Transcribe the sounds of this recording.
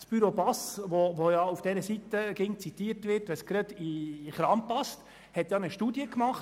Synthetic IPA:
b̥yɾopɑsʋovojɑːufd̥ɛɾəsit̪əɡ̥ɪŋt͡sit̪iːɾtvɪɾtʋɛsɡ̥ɾəd̥̪iχɾɑːmpɑst | hɛt̪jɑːnəʃtuːdjəkmɑχt

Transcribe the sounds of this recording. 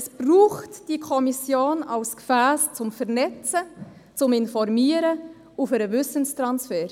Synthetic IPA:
sb̥ruːχtd̥ikʰɔmisjoːnɑʊskfæːst͡sʊmfɛɾnɛt͡sə | t͡sʊmɪnfɔɾmiːəɾə | ufɛɾəvʏsənstɾɑnsfɛːɾ

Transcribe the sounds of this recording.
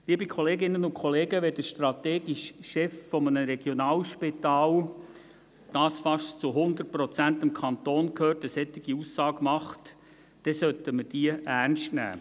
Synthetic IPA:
liːbikʰɔleːɡɪnənʊnkʰɔleːɡəʋɛd̥əʃtrɑt̪eːɡiʃʃɛffɔmənəɾɛɡ̥jɔnɑːlʃpɪt̪ɑːl | d̥ɑːsfɑʃt͡suɦʊnd̪ərt̚prɔt͡sænt̪ɪmkʰɑnt̪oːnkʰhøːtəsɛt̪ːɪɡ̥iusːɑːɡmɑχt | d̥ɛsœt̪əməd̥iːəʔærnʃtnæ̰ː

